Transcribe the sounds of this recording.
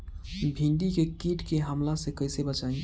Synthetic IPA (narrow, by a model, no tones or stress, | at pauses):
bʱĩɳɖikekiʈkeɦəmlasẽkəjsebət͡ʃaĩ